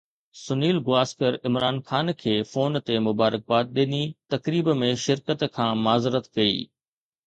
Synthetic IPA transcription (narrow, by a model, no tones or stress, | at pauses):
sʊniːlɡʊaːskəɾɪmɾaːnxaːnkʰeːfoːnt̪emʊbaːɾək̚baːt̪̚ɗeːnit̪ɐkɾiːbmẽʃɪɾkət̪kʰãːmaːzɾət̪kɐḭː